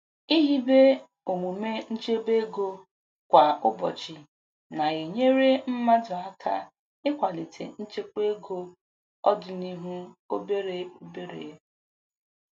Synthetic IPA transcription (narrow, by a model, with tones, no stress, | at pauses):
i˦ɦi˦be˦ | o˨mu˨me˦n̩˦t͡ʃe˦be˦ɡo˦ | kʷa˨ʊ˦bɔ˨t͡ʃɪ˨ | na˨e˨ɲe˦ɾe˦m̩˦ma˦dʊ˨a˦kʰa̰˦ | ɪ˦kʷa˨li˨tʰḛ˨n̩˦t͡ʃe˦k͡pe˦ɡo˦ | ɔ˦dʊ˨ni˦ɦu˦o˦be˦ɾe˨o˦be˦ɾḛ˨e˦